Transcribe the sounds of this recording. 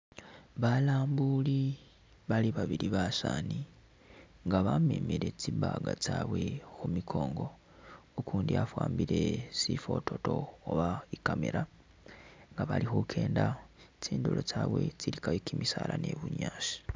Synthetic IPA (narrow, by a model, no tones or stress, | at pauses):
βalaːmbuli | βaliβaβiɾiβasani | ŋɡaβameːmiɾet͡siβaɡat͡saːβwe̞xumikʰo̞ːŋɡo̞ | ukʰuːndiafwaːmbiɾe̞sifo̞tʰo̞to̞oβaikameɾa | ŋɡaβalixukʰe̞ːndat͡siːndulot͡saːβwe̞t͡siɾikaβikimisalane̞βuɲaːʃi̥